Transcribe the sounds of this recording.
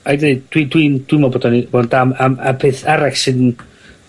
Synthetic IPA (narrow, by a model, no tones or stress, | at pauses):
ajdeɨdd̥widwind̥wimɔbodɔniboːndamamapʰeːθaɾaksɨdn